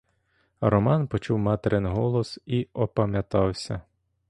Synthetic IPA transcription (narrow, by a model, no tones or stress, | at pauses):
ɾɔmɑnpɔt͡ʃuwmɑt̪eɾenɦɔlˠɔsiɔpɐmʲjɐt̪ɑwsʲɐ̰